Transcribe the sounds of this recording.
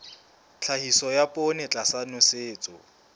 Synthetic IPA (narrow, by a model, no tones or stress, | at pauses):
t͡ɬʰahisɔjapʼonɪt͡ɬʼasanʊseːt͡sʼʊ